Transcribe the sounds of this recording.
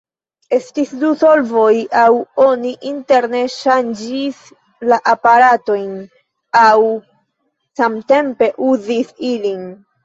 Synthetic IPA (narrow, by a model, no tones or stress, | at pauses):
e̞stisduso̞lvo̞jawo̞niʔinte̞ɾneʃand͡ʒis | laʔapaɾato̞jn | aw | samte̞mpe̞ʔuzisilin